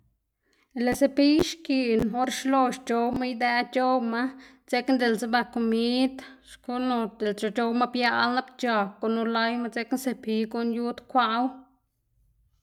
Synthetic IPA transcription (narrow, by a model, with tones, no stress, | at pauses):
le˨se˧pi˦ʃki˨no˦ɾʃlo˧ʃt͡ʃo˧wma˦jd̪ɛ˧˦t͡ʃo˦wma˦ | t͡se˧knd̪e˨lt͡se˧ba˧ko˨mi˦d̪ʃku˦no˧d̪e˨lt͡ʃo˧˨t͡ʃo˧wma˦bja˧ʔlna˦bt͡ʃa˨ko˧nu˧la˧˦jma˦t͡se˧knse˧pi˧ko˧nju˦d̪kʷa˧ʔw